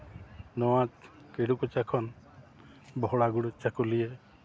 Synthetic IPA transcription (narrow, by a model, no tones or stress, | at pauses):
nɔwãt͡ʃkeɽukɔt͡ʃakʰɔn | bɔɦɔɽaɡuɽut͡ʃakulije